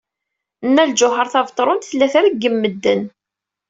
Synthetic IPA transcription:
nːæld͡ʒʊɦəɾˤθɑvt̪ˤɾˤʊnt̪θlːæθaɾiɡːəmːəd̪ːən

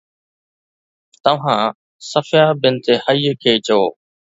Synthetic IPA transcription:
t̪ɐʋ̤ãː | səfjaːbɪnɪt̪eːhəiːkʰeːt͡ɕooː

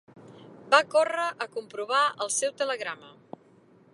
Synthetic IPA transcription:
bakorəʔəkumpɾuβ̞aəlˠsɛwt̪ələɣɾamə

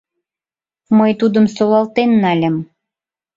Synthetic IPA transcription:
məjt̪ud̪əmsolɑlt̪enːælʲə̆m

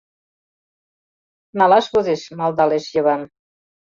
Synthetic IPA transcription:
nɑlɑʃβozeʃmɑlˠd̪ɑleʃjɤ̆βɑn

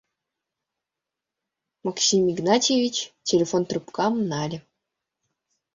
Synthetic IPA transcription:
mɑksʲimʲːiɡnɑtʲevʲit͡ɕtʲelʲefont̪rupkɑmnɑlʲ

